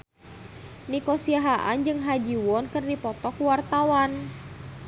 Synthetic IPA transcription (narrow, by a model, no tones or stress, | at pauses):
nikɔsiaɦaʔa̰nd͡ʒɨŋɦad͡ʒiwɔnkɨrdipɔt̪ɔkwart̪awan